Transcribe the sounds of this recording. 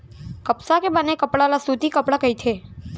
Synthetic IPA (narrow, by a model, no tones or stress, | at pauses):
kəpsakebənekəpɽalasut̪ikəpɽakəit̪ʰe